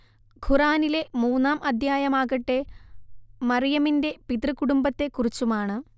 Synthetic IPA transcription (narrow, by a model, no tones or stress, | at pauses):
ɡʱuraːnile̞muːnːaːmɐd̪ʱjaːjɐmaːɣɐʈːe̞ | mɐrijɐminde̞pit̪rɨkuɽumbɐt̪ːe̞kːurit͡ɕːumaːɳɨ